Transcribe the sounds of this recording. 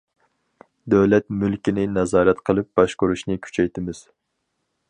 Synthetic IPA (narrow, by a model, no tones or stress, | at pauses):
d̪ɛwlɛt̪mylkʲinɪnɛzɑːɾɛt̪qʰəlˠɨp̚b̥ɑʃkoɾuʃnɨkʲʰy̥t͡ʃʰɛjt̪ɪmɪz̥